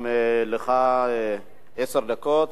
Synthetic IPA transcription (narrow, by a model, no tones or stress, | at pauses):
eleχa | eseʁd̪akot̪